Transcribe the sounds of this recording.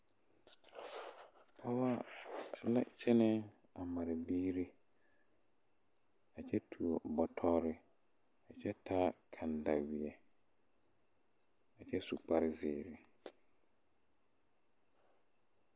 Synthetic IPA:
a˦wa˦ | lɛ˦t͡ɕʰɛ˦nɪ̃˦ | a˨mã˨ɾa˨bi˦ɾi˦ | a˨t͡ɕʰɛ˦tʰu˨o˨bɔ˨tʰɔ˦ɾɪ˦a˨t͡ɕʰɛ˦tʰa˦kʰã˨n˨da˨wi˨ɛ˨ | a˨t͡ɕʰɛ˦su˨k͡pa˦ɾɪ˦zeː˨ɾɪ˨

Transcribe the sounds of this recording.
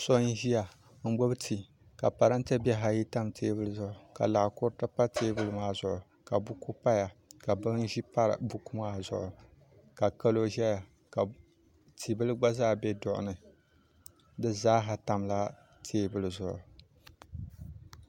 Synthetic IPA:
so˦n̩˦ʒi˦ja˨ | ŋ̩˦ɡ͡bo˦bɨ˦tʰi˨ | ka˨pa˨ɾa˦n˦ta˦bɛ˦ɦa˨ji˦ta˦mtʰeː˦bɨ˦lɨ˦˨zʊ˨ʔʊ˨ka̰˨la˨ʔkʊ˦ɾta˦pa˦tʰeː˦bɨ˦lɨ˦maː˦zʊ˨ʔʊ˨ | ka˨bu˦ku˦pa˦ja˨ka˨bɨ˦n˦ʒi˦pa˦ɾɨ̰˨bu˦ku˦maː˦zʊ̰˨ʔʊ˨ | ka˨ka˦lo˦ʒɛ˦ja˨ | ka˨ | tʰi˨bɨ˦lɨ˦ɡ͡ba˦zaː˦˨bɛ˦dʊ˨ʔʊ̰˨nɨ˨ | dɨ˦zaː˦ɦa˨ta˨mla˦ | tʰeː˦bɨ˦lɨ˨zʊ˨ʔʊ̰˨

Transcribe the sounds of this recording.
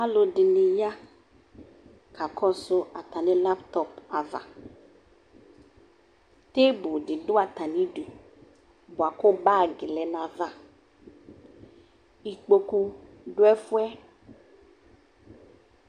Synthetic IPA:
a˦lo˨ɖɪ˨nɪ˨ja˦ | ka˨kʰɔ˦sʊ˦ʔa˨t̪a˨nɪ̃˦la˦pt̪ɔ˦pa˨va̰˨ | t̪e˦bu˨ɖɪ˨ɖʊ˦a˨t̪a˨nĩ˦ɖu˨ | bo˨a˨ko˦ba˦˨ɡɪ˨lɛ˨nã˨va˦ | i˨k͡po˧ku˦ɖʊ˦ɛ˦fu˦ɛ˦

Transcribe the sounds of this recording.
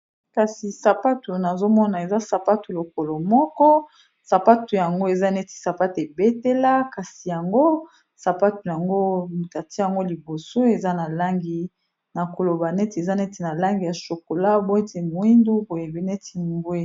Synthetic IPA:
ka˨si˨sa˨pa˦tu˨na˨zo˦mɔ˦na˨e˨za˦sa˨pa˦tu˨lo˨ko˨lo˨mɔ˦kɔ˦ | sa˨pa˦tu˨ja˨ŋɡo˦e˨za˦nɛ˦ti̥˨sa˨pa˦te˨be˦te˦la˦ka˨si˨ja˨ŋɡo˦ | sa˨pa˦tu˨ja˨ŋɡo˦m˨ta˨ti˦a˨ŋɡo˦li˨bo˨so˦e˨za˦na˨la˦ŋɡi˨ | na˨ko˨lo˨ba˨nɛ˦te˨za˦nɛ˦te˨na˨la˦ŋɡi˨ja˨ʃo˨ko˨la˦bo˦e˦te˨mo˨i˦ndu˦bo˨je˨be˨˦nɛ˦ti˨bo˦e˨

